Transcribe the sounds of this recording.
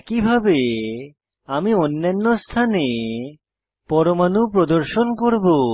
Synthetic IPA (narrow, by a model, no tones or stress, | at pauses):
kibʱabe | amionːanːost̪ʰane | pɔɾomanupɾod̪oɾʃonkoɾbo